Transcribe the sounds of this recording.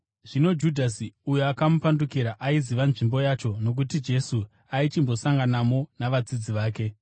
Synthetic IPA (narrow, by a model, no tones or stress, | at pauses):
ʐ̥ino̞d͡ʒudʱasiujoakamupandukiɾaʔaiziʋanʐimbo̞jat͡ʃo̞no̞k̬utid͡ʒe̞su | ait͡ʃimbo̞saŋɡanamo̞naʋad͡zid͡ziʋaːke̞